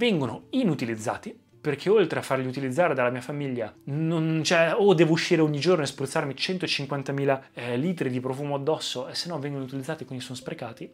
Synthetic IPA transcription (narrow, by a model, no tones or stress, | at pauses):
vɛŋɡonoinut̪ilid̪zːa̰ːt̪i | perkʰeolt̪ɾeafːarʎiut̪ilid̪zːaːɾed̪alːamiːafamiʎːanont͡ʃɛod̪ɛːvouʃːiːɾeoɲːid͡ʒornoespɾut̪sːarmit͡ʃɛnt̪oet͡ʃiŋkwant̪amiːlaliːt̪ɾid̪ipɾofuːmoad̪ːɔsːoesːenːɔvːɛŋɡonout̪ilid̪ːaːt̪ikwind̪isonospɾekaːt̪i